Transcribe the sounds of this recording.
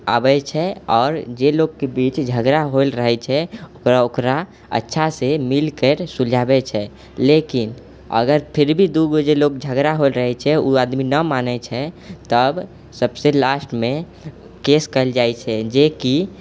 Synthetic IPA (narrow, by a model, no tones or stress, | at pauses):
a̰bɛt͡ʃʰɛɔːɾd͡ʒeloɡkebit͡ʃd͡ʒʱəɡɾaɦolɾəɦɛt͡ʃʰɛokɾaokɾa | ə̰tːʃʰasemilkəɾsud͡ʒʱabɛt͡ʃʰɛ | lekin | ə̰ɡəɾpʰɪɾbʱid̪uɡod͡ʒelokd͡ʒʱəɡɾaɦoelɾəɦɛt͡ʃʰɛuad̪minəmanɛt͡ʃʰɛt̪əb | səbselasʈmẽ | keskəld͡ʒaɛt͡ʃʰɛd͡ʒeki